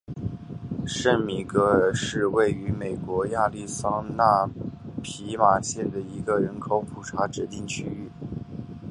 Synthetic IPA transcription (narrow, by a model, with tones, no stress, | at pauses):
ʂə˥˩nmi˨˩kɤ˧˥ʂɻ̩˥˧we˥˩ɪy˧˥me˨˩ɪkwɔ˧˥ja˥˧li˥˩sɑ˥ŋna˥˩pʰi˧˥ma˨˩ɕjɛ˥˩nd̪ə˩i˧˥ɡə˧ɻə˧˥nkʰo˨˧˥ʊpʰu˨˩ʈ͡ʂʰa˧˥ʈ͡ʂɻ̩˧˥t̪i˥˩ŋt͡ɕʰy˥y˥˩